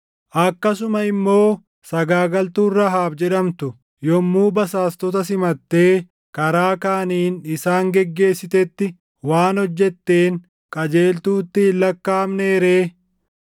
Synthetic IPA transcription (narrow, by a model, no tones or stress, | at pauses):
ʔɐkːɐs̬ʊmɐɪmːo̞ː | sɐɡaːɡɐlt̪uːrːɐɦaːbd͡ʒɛᶑɐmt̪ʊ | jɔmːuːbɐsaːst̪ɔt̪ɐsɪmɐt̪ːe̞ː | kɐɾaːkaːniːnɪsaːŋɡɛɡːe̞ːsːɪt̪ɛt̪ːɪ | waːnhɔd͡ʒːɛt̪ːeːŋ | kʼɐd͡ʒe̞ːlt̪uːt̪ːɪɪlːɐkːaːmne̞ːɾeː